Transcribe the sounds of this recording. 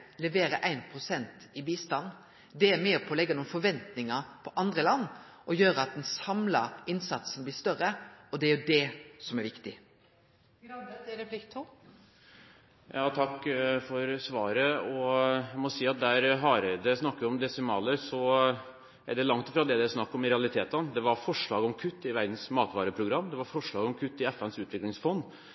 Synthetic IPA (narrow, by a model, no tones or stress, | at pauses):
lɛʋeːɾəʔæɪnpʰɾʊsɛnt̪ɪbiːst̪ɑnː | d̪ɛːmæːpʰɔːlɛɡːɑnʊːnfɔɾʋɛnt̪nɪŋɑpʰɔʔɑnd̪ɾəlɑnː | ʔɔjøːɾəɑt̪̚d̪ɛnsɑmlɑɪnsɑt̪snblɪːst̪œɾəɔd̪ɛæɾjʉd̪ɛsɔmæɾʋɪkt̪ɪ | ɛplɪkt̪ʰu | jɑːt̪ʰɑkːfɔɾsʋɑːɾəɔmɔsiːɑt̪̚d̪æːɾɦɑːɾəd̪ɛsnɑkːəʋɪɔmd̪ɛsɪmɑːləɾsɔ | æɖɛlɑŋt̪ɪfɾɑd̪ɛd̪ɛæsnɑkːɔmɪɾɛɑlɪt̪ʰeːt̪ənd̪ɛʋɑɾfɔʂɭɑːɡɔmkʰʉt̪ːɪʋæɾd̪n̩smɑːt̪ʋɑːɾəpʰɾʊɡɾɑmːd̪ɛʋɑɾfɔʂɭɑːɡɔmkʰʉt̪ːɪɛfɛnsʉːt̪ʋɪklɪŋsfɔnː